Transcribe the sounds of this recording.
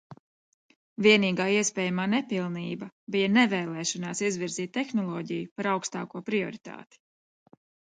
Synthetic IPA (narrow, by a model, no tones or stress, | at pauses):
viɛniːɡaːiɛspɛːjamaːnɛpilˠniːbɐbijanɛvɛːlˠɛːʃɔnaːsizviɾziːt̪̚ʲt̪ːexnɔlˠɔːɟijupaɾawkst̪a̰ːkuɔpɾiɔ̰ɾit̪a̰ːt̪i̥